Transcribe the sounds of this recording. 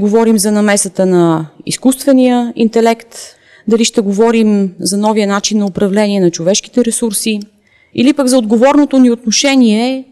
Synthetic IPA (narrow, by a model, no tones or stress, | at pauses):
ɡovɔɾimzɐnɐmɛsət̪ənɐḭskust̪vɛnijəint̪ɛlɛkt̪ | d̪ɐliʃt̪ɛɡovɔɾimzɐnɔvijənat͡ʃinːɐopɾɐvlɛniɛnɐt͡ʃovɛʃk̟i̥t̪ɛɾɛsuɾsi | ilipəɡzɐod̪ɡovɔɾnot̪oniot̪noʃɛniɛ